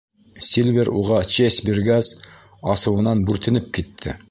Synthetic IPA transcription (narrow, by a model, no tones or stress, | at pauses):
sʲilʲvʲeɾuʁɑt͡ɕesbiɾɡæz | ɑsɤ̆wɤ̆nɑnbʉɾt̪ɘ̆nɘp̚kit̪ʰːɘ̰